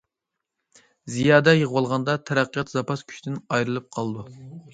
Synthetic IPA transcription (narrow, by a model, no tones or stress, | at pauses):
zijɑːd̪ɛjəʁwɑlˠʁɑnd̪ɑt̪ʰɛɾæqːijɑt̪zɑpɑskʲʰy̥t͡ʃʲt̪ɪnɑjɾɨlˠɨp̚qʰɑlˠɨd̪u